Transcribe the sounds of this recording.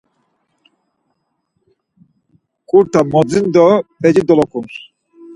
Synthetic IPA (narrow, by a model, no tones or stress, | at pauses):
kʼuɾt̪ʰamɔd͡zind̪ɔpʼɛd͡ʒid̪ɔlɔkʰʼuns